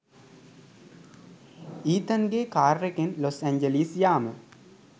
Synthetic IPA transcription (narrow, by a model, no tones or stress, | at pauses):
iːt̪ɐnɡeːkaːɾːekenlosɛɲd͡ʒelisjaːmə